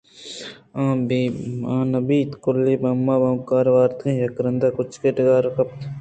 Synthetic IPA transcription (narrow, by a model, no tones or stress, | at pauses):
ãːbiãːnɐbiːt̪kʊlːiːbɐmːaːbɐmkaːɾʋaːɾt̪ʰĩːjɐkɾɐnd̪akʊt͡ʃkeʈɡaːɾkɐp̚t̪ʰ